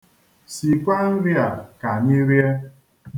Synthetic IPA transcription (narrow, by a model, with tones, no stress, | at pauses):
si˨kʷa˦n̩˦ɾi˦a˨ka˨ni˦ɾje˦